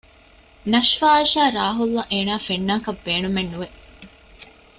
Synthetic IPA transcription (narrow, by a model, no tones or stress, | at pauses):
nɐʃfaːɐʃaːɾaːɦulːɐʔeːnaːfenːaːkɐbbeːnumenːuʋe